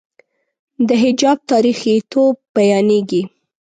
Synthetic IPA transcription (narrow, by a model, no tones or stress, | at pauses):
d̪əɦɪd͡ʒɑb̚t̪ɑɾixit̪ʰob̚ːajɑneɡi